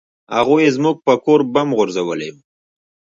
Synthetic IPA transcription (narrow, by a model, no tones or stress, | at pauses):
ha̰ɣujezmʊɡ̚pəkoɾbamɣʊɾzawəlejum